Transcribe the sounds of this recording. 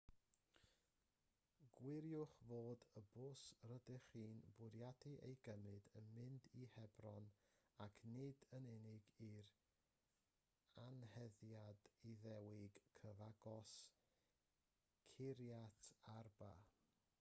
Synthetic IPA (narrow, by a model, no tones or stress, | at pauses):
ɡ̥wɪɾjʊχvoːdəboːsrədɪχiːnbwɪɾjadiʔḛjɡəmɨdənmɪndihɛbrɔnakʰnɪdənɛnɪɡir | anhɛðjadiðɛwɪɡ̥kʰəvaɡɔs | kʰɪɾjatʰarba̰